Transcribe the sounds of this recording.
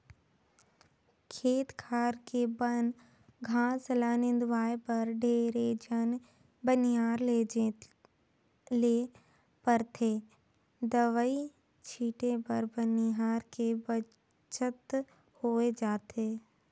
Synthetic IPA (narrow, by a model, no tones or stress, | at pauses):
kʰeːt̪kʰaːɾkebən | ɡʱaːslaːnɪ̃nd̪ʋaːepɐɾɖʱeːɾed͡ʒən | bəniɦaːɾled͡ʒe | leː | pɐɾt̪ʰe | d̪ɐʋəi | t͡ʃʰiːʈẽpɐɾbɐniɦaːɾkebɐ | t͡ʃʰət̪ | hoːed͡ʒaːt̪ʰeː